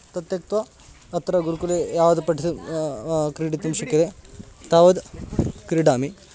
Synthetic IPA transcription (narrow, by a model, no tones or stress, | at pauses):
t̪ɐt̪jɐk̚t̪ʋɐː | t̪ɾɐɡuɾukulejaːʋɐd̪pɐʈʰi | kɾiɖit̪ɐmʃɐkid̪et̪aːʋɐd̪kɾiɖaːmi